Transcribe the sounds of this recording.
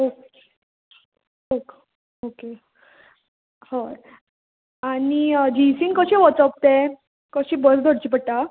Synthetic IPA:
oke | ok | oke | hə | anid͡ʑisiːnkəɕẽʋɔt͡səp̚t̪ẽ | kəɕĩbəsd̪ʱoɽt͡ɕip̬əɽʈ̪a

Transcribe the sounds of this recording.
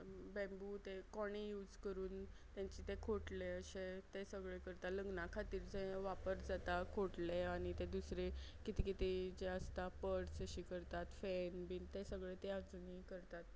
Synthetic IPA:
bɛ̃mbut̪ekoɽ̃ejuːd͡zkəɾuːn | t̪jãɲt͡ɕiːt̪ekʰoʈleəɕet̪esəɡɭekəɾt̪aləɡnãkʰat̪iːɾd͡zẽʋapəɾd͡zat̪akʰoʈleaɽ̃it̪ed̪usɾe | kit̪ikit̪id͡ʑeəst̪apəɾsəɕiːkəɾt̪at̪fɛnbiːnt̪esəɡɭet̪ead͡zunikəɾt̪at̪̚

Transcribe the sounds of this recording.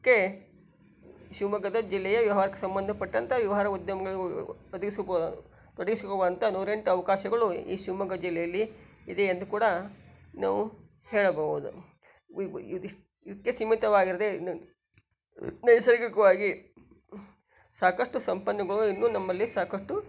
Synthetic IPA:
kːe | ʃuːmɐɡɐd̪ɐd͡ʒilːɛjɐʋjɐʋɐɦaːɾɐkːesɐmbɐnd̪ʱɐpɐʈːɐnt̪ʰɐʋjɐʋɐɦɐɾɐud̪jɐmɐɡɐɭɔd̪ɐɡisubod̪u | t̪ɔɽɐɡisukobɐɐnt̪ʰɐnuːɾeɳʈuɐʋɐkaːʃɐɡɐɭuḭːʃuːmɐɡɐd͡ʒilːɛjɐlːiid̪eend̪ukuːɽɐ | naːʋu | heːɭɐbɐɡuud̪u | id̪ɐkːesimːit̪ɐʋaːɡiɾɐd̪en | nɐjsɐɾikikɐʋaːɡi | saːkɐʂʈusɐmpɐnːɐɡɐɭuinːuːnɐmːɐlːisaːkɐʂʈu

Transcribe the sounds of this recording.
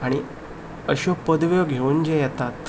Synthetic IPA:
aɽ̃i | əɕopəd̪ʋjoɡʱeund͡ʑejɛt̪at̪

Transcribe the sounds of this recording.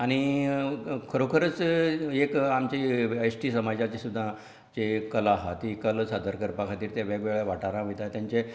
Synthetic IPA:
aɽ̃i | kʰəɾokʰəɾət͡sekamt͡ɕeəjsʈiːsəmad͡zat͡ɕesud̪ʱːã | t͡ɕekəlaɦat̪ikəlsad̪ʱəɾkəɾpakʰat̪iːɾt̪jaʋɛɡʋeɭaʋaʈaɾãʋit̪at̪jãɲt͡ɕe

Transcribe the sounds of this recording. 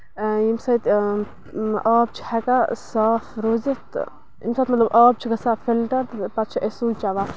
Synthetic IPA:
jimsɐjt̪ | aːb̚t͡ʃʰi̥hɐkasaːfɾoːzit̪ | imsɐːt̪mɐt̪lɐbʔɔːb̚t͡ʃʰikɐsaːffilʈɐɾt̪pɐt̪̚t͡ʃʰiʔesult͡ʃaʋa

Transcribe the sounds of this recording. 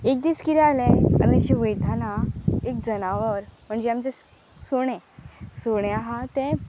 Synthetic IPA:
ek̚d̪iskit̪ɛalɛ̃a̰miɕiʋəjd̪ʱanaek̚d͡zənaʋəɾm̤əɳd͡ʑeamt͡se | soɽ̃ɛ̃soɽ̃ɛ̃aɦãt̪ẽ

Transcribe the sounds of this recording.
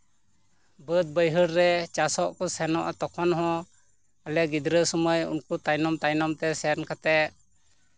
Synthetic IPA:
bəd̪̚bəjɦəɾɾɛt͡ʃasɔʔkɔsɛnɔʔat̪ɔkʰɔnɦɔ̃ | alɛɡid̪ɾəsɔməjṵnkut̪ajnɔmt̪ajnɔmt̪ɛsɛnkat̪ɛʔ

